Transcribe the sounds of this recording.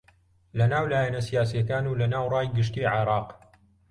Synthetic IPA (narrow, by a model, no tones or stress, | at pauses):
lɐnaːwlaːjɛnɐsijaːsijɐkaːnuːlɐnaːwrˤɑːjɡɨʃ̬t̪iːʕeɾˤɑːq